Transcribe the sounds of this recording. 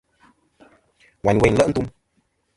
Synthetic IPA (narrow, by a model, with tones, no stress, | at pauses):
wa˨n˨we˧˨n˨lə˦˨ʔn̩˦t̪u˧m